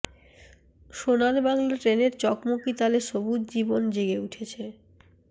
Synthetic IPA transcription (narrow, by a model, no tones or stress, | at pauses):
ʃonanbaŋlaʈɾeneɾt͡ɕɔkmokit̪aleʃobud̪̚d͡ʑibond͡ʑeɡeuʈʰet͡ɕʰe